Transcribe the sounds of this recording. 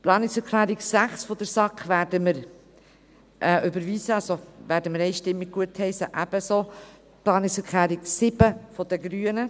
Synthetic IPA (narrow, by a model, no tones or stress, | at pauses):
plɑːnɪksɛɾkʰlæːɾɪɡsæχsfɔd̥̪əɾsɑkχʋæːɾdəməɾ | ʔɛʔʏbəɾviːsəɑlsovæːɾdəməɾɛɪʃtɪmːɪɡ̚ɡuəthɛɪsəʔæb̥əsoː | plɑːnɪksɛɾkʰlæːɾɪɡsɪb̥əfɔd̥̪əɡɾyːənə